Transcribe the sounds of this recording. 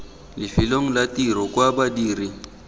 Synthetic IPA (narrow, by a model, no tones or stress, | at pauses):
lɪfiloŋ̩latiɾɔkʼwabadiːri